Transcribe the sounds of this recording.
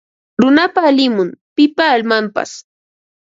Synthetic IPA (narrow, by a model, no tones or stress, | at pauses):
ɾʊnapaːlɪmʊmpɪpaːlmampa̰s